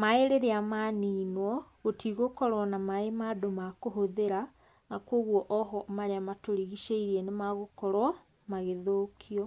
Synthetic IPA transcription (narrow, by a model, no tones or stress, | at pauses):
maeɾeɾeamaniːnwɔɣotiɣokɔɾwɔnamaemadomakoɦoðeɾa | nakoːɣwɔʔɔɦɔmaɾeamatoɾiɣiʃeiɾiɛnemaɣokɔɾwɔ | maɣeðoːkʰiɔ